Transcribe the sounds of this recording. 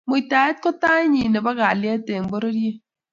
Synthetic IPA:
mo˨ta˨e˦t̚kɔ˦ta˦ɲi˨ne˨ba˦ka˨lja˦te˨m̩˨bo˦ɾo˦dje˦

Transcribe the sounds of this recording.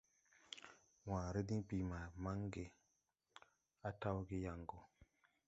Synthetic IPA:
wãː˨ɾi˦dĩ˦pi˨ma˨ma˦ŋɡe˨ | a˦ta˦wɡe˦ja˨ŋɡo˦

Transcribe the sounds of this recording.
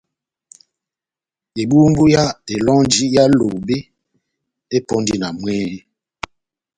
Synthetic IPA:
e˨bu˦m̩˦bu˦ja˦te˨lɔ˦ŋ˦d͡ʒi˦ja˦lo˨be˦ | e˦pɔ˦ndi˦na˨mwɛː˦

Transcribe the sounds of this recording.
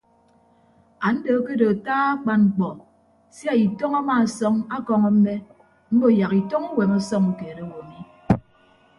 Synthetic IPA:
a˨n̩˦do˨˦ke˦do˨taː˦a˦k͡pa˦ŋ͡m̩˨k͡pɔ˨ | sja˦i˨tɔ˦ŋa˦ma˦˨sɔ˦ŋa˦kɔ˦ŋɔ˦m̩˦me˦ | m̩˦bo˦˨ja˨ki˨tɔ˦ŋu˦we˨mɔ˦sɔ˦ŋu˨keː˨ɾe˦˨wo˨mi˦

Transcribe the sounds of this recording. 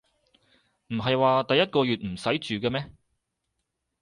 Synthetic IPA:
m̩˨˩ɦɐ˨jwaː˨˧t̪ɐ˨jːɐ˥t̚kɔː˧jyː˨t̚m̩˨˩sɐ˨˥jt͡ʃyː˨kɐː˧mɛː˥

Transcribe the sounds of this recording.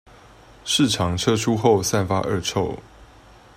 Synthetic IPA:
ʂɻ̩˥˨ʈ͡ʂʰɑ˨˦ŋʈ͡ʂʰɤ˦˥ʈ͡ʂʰu˥˦xo˥˨ʊsa˥˨nfa̰˦˥ʔə˥˧ʈ͡ʂʰo˥˨ʊ

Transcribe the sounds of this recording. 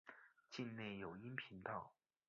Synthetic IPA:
t͡ɕi˥˧nne˥˩ɪjo˨˩ʊi˥npʰi˧˥nt̪ɑ˥˩ʊ

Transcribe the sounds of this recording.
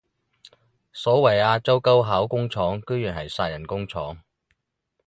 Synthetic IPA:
sɔː˨˥wɐ˨˩jaː˧t͡sɐ˥wkɐ˥wɦaː˨˥wkʊ˥ŋt͡sʰɔː˨˥ŋkɵ˥ɥyː˨˩nɦɐ˨jsaː˧t̚jɐ˨˩nkʊ˥ŋt͡sʰɔː˨˥ŋ

